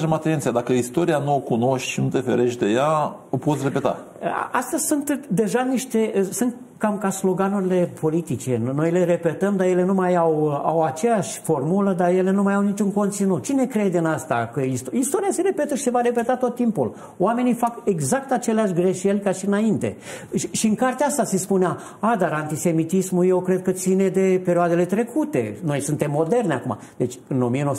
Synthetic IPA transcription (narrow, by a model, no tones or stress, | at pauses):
d͡ʒemat̪ent̪sijad̪akəist̪o̞ɾianuokuno̞ʃt̪ʲʃinut̪e̞fḛɾe̞ʃʲd̪e̞jaopo̞t̪sʲre̞pe̞t̪a̰ | a̰ʔa̰st̪əzʲsunt̪d̪e̞ʒaniʃt̪e̞sɨnt̪ | kamkaslo̞ɡanuɾile̞pʰo̞lit̪it͡ʃe̞no̞jle̞re̞pe̞t̪əmd̪aje̞le̞numajawa̰wat͡ʃe̞jaʃʲfo̞rmuləd̪aje̞le̞numajawnit͡ʃunko̞nt̪sinut̪̚t͡ʃine̞kɾe̞d̪eɨnast̪akəist̪oist̪o̞ɾiase̞ɾe̞pet̪əʃi̥sevaɾe̞pe̞t̪at̪ot̪ːimpul | oame̞nijfake̞ɡzak̚t̪at͡ʃe̞leaʃʲɡɾe̞ʃe̞lʲkaʃiɨnaint̪e̞̰ʃiɨŋkart̪eaast̪ase̞spunea | ad̪aɾant̪ise̞mit̪ismuje̞wkɾe̞d̪̚kət̪sine̞d̪e̞pe̞ɾioad̪e̞le̞t̪ɾe̞kʰut̪e̞̰no̞jsunt̪e̞mːo̞d̪e̞rnʲa̰kuma̰d̪e̞t͡ʃʲɨno̞mienows